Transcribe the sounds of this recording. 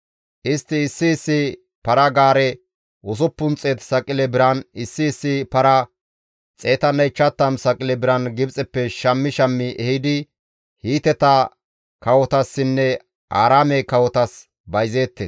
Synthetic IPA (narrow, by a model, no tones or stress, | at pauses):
ʔɪst̪ːɪːsːɪːsːɪ | pɐɾɐɡaːɾɛ | ʊs̬ɔpːʊnt͡sʼeːt̪sɐkʼɪlɛbɪɾɐnɪsːɪːsːɪpɐɾɐ | t͡sʼe̞ːt̪ɐnɐjt͡ʃːɐt̪ːɐmsɐkʼɪlɛbɪɾɐnɡɪbt͡sʼɛpːɛʃɐmːɪʃɐmːɪʔɛhɪd̪ɪ | hiːt̪ɛt̪ɐ | kɐwɔt̪ɐsːɪnːɛ | ʔa̰ːɾaːmɛjkɐwɔt̪ɐs | bɐjze̞ːt̪ːeːs